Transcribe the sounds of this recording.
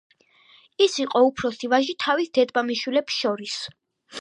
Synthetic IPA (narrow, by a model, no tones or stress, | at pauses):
isiqʼɔupʰɾɔsivaʒit̪ʰavisd̪ɛd̪bamiʃwilɛpsʃɔɾis